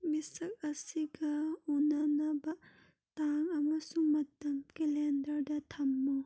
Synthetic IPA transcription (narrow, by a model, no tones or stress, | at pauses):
misɐk̚ɐsiɡɐunɐnɐbɐ | t̪aŋɐmɐsuŋmɐt̪ɐmkelɛndɐɾdɐt̪ʰɐmːo